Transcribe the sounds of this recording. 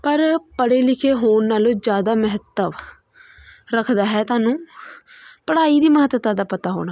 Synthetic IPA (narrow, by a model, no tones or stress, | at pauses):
pəɾpəɽeːlɪkʰeːɦoːɳnaːlõːd͡ʒjaːd̪aːməɦət̪ːəʋ | ɾəkʰd̪aːɦɛːt̪aːnũː | pəɽaːiːd̪iːməɦət̪ʋt̪ãːd̪aːpət̪aːɦo̰ːɽaː